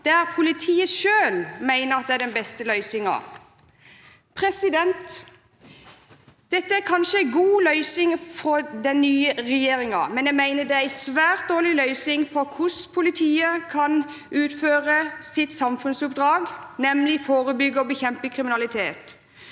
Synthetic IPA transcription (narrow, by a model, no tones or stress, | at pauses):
d̪̥æɾpʰʊlɪt̪ʰiːəʃøːlmæɪnəʁɑt̪̚d̪ɛæɖɛnbɛst̪əlœʏsɪŋɑ̰ | pʰʁɛsɪd̪ɛnt̪ | d̪̥ɛt̪ːəæɾkʰɑnʃəæɪɡuːlœʏsɪŋfɔd̪ɛnːyːəʁɛjeːɾɪŋɑ̰mɛnjæɪmæɪnəd̪ɛææɪsʋæːʁt̪̚d̪oːʁlɪlœʏsɪŋfɔkʰʊspʰʊlɪt̪ʰiːəkʰɑn | ʉːt̪føːʁəsɪt̪sɑmfʉnsʊpd̪ɾɑːɡnɛmlɪfoːʁəbʏɡːəɔbəçɛmpəkʰʁɪmɪnɑlɪt̪ʰeːt̪